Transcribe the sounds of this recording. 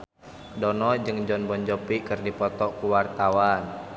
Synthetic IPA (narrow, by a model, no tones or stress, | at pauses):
dɔnɔd͡ʒɨŋd͡ʒɔnbɔnd͡ʒɔpikɨrdipɔt̪ɔkuwart̪awan